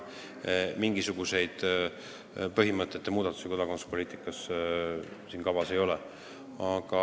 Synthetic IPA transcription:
miŋɡ̥isuɡ̥use̞jd̪̥ | pɤɦimɤt̪ːˑe̞t̪ːemuːd̪̥ɑt̪ːˑu̥seko̞d̪̥ɑko̞nusu̥po̞liːt̪ˑikːˑɑs | siːnkɑvɑse̞jo̞lɛ | ɑɡ̥ɑ

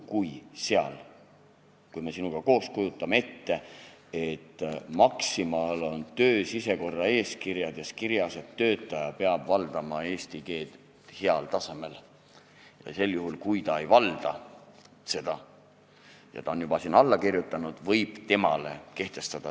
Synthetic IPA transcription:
kujse̞ɑ̰l | kujme̞sinuɡ̥ɑko̞ːskujut̪ˑːɑmee̞t̪ːe̞ | et̪ːmɑksimɑlo̞nt̪ø̞ːsise̞ko̞rːɑe̞ːskirjɑd̪̥jɑskiɾjɑset̪ːø̞ːt̪ˑːɑjɑpe̞ɑb̥vɑld̪ɑmɑe̞ːst̪ike̞ːd̪̥ | he̞ɑlt̪ɑseme̞l | jɑ̰se̞ljuɦulkujt̪ɑejvɑld̪̥ɑ | se̞d̪̥ɑ | jɑ̰t̪ɑonjub̥ɑsinɑlːɑkirjut̪ːˑɑnud̪̥vɤjb̥t̪e̞mɑ̰le̞̰ke̞ht̪e̞st̪ɑd̪̥ɑ

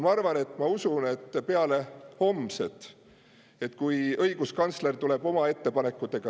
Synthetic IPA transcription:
mɑɑrvɑne̞t̪ːˑmɑusune̞t̪ːpeɑle̞ho̞mset̪ˑ | e̞t̪ːkujɤ̞jɡ̥uskɑnt̪sle̞rt̪ule̞b̥o̞mɑe̞t̪ːe̞pɑne̞kːˑut̪ːˑe̞ɡ̥ɑ

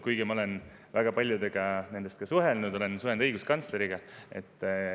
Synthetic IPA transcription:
kujɡ̥emɑo̞len | væɡ̥ɑpɑlʲjud̪eɡ̥ɑne̞nd̪e̞st̪kɑsuɦe̞lnud̪̥o̞le̞nsuhe̞nd̪ɤjɡ̥uskɑnsle̞ɾiɡ̥ɑe̞t̪ːˑ

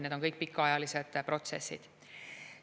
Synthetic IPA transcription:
ned̪o̞nkɤjk̚ːˑpikːˑɑɑjɑlise̞d̪̥pro̞t̪se̞sːḭd̪̥

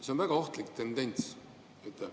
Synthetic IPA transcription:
seonvæɡ̥ɑo̞ht̪likt̪e̞nd̪e̞nʲt̪s | et̪ːˑɛ

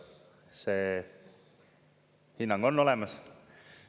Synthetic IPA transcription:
seː | hinːɑŋɡ̥o̞nːo̞lɛmɑs

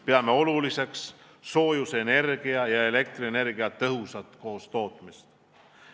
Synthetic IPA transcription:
peɑme̞o̞lulise̞ks | so̞ːjusene̞rɡ̥iɑjɑe̞le̞k̚t̪rine̞rɡiɑt̪ːɤɦusɑt̪ˑko̞ːst̪o̞ːt̪ˑmist̪

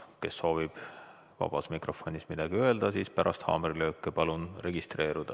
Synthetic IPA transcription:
ke̞sːo̞ːvib̥ | vɑ̰b̥ɑsmikro̞fo̞nʲismid̪̥ɑɡ̥iø̞eld̪̥ɑsiːspæɾʔɑst̪hɑ̰ːmeɾilø̞ːkːˑepɑlunre̞ɡ̥ist̪re̞ːɾud̪̥ɑ

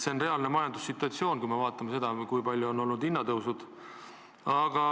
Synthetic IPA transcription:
se̞onre̞ɑlne̞mɑjɑnd̪usːit̪ːˑuɑt̪sio̞ːnkujmevɑːt̪ːˑɑmese̞d̪̥ɑkujpɑlʲːjuono̞lnud̪inːɑd̪ɤwsud̪̥ | ɑɡ̥ɑ

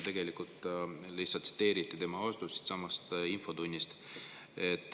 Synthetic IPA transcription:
t̪e̞ɡ̥e̞likult̪lihsɑlt̪si̥t̪ːe̞ːɾit̪ːˑit̪e̞mɑost̪usi̥t̪sɑmɑst̪info̞t̪unʲːist̪ | et̪ːˑ

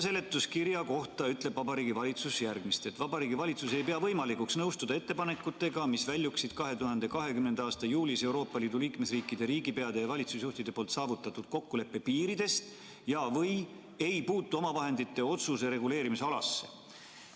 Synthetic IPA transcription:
s̬e̞lːe̞t̪ːˑuskiɾjɑko̞ht̪ɑyt̪le̞b̥vɑbɑɾiːɡivɑlʲit̪susjærɡmist̪e̞t̪vɑbɑɾiːɡivɑlʲit̪suse̞jpeɑvɤ̞jmɑlikuksnɤwst̪ud̪ɑe̞t̪ːepɑne̞kːˑut̪ːˑe̞ɡ̥ɑmisvælʲjuksid̪̥kɑɦe̞t̪uhɑnd̪̥e̞kɑɦe̞kymnend̪̥ɑːst̪ɑjuːlise̞wɾo̞ːpːˑɑliːd̪uliːkme̞sriːkːˑid̪̥e̞ɾiːɡipe̞ɑd̪̥e̞jɑvɑlʲit̪susjuht̪id̪̥e̞poːlt̪sɑːvut̪ːˑɑt̪ːˑud̪̥ko̞kːule̞pːe̞piːɾid̪̥e̞st̪ | jɑvɤj | e̞jpuːt̪ˑːuo̞mɑvɑɦe̞nd̪̥it̪ːe̞o̞t̪suseɾe̞ɡule̞ːɾimiseɑlɑ̰sːe̞̥̰

